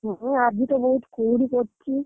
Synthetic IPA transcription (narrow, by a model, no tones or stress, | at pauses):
ɦuɦad͡ʑit̪oboɦut̪kuːɽikoɾt͡ɕʰi